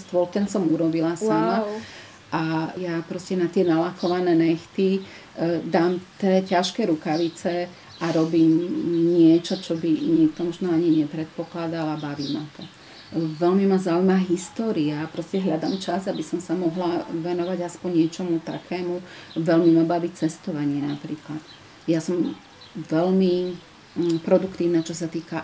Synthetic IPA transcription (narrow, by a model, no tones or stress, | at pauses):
st̪ʋɔlt̪ɛnsɔmuɾɔbilasama | ʔajapɾɔscɛnat̪ɪɛnalakɔʋanɛːnɛxt̪i | d̪aːmt̪ɛcaʃkɛːɾukaʋit͡sɛ | ʔaɾɔbiːmɲɪɛt͡ʃɔt͡ʃɔbiɲikt̪ɔmɔʒnɔaɲiɲɛpɾɛt̪̚pɔklad̪alabaʋiːma̰t̪ɔ | ʋɛlmimazaːujmaɦist̪ɔːɾiapɾɔscɛɦʎad̪aːmt͡ʃazabisɔmsamɔɦlaʋɛnɔʋaɟaspɔɲɲɪɛt͡ʃɔmut̪akʰɛːmuʋɛlmimabaʋit͡sɛst̪ɔʋaɲɪɛnapɾḭːklat̪ | jasɔm | ʋɛʎmi | pɾɔd̪ukt̪iːʊnat͡ʃɔsat̪iːka